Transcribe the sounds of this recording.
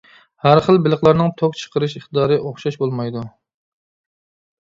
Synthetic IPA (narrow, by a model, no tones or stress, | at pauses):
hæɾχəlˠbɪlˠəχlˠɑɾnɨŋt̪ʰok̚t͡ʃʰə̥qʰəɾɨʃəχt̪ɨd̪ɑːɾɨʔoχʃɑʃbolˠmɑjd̪u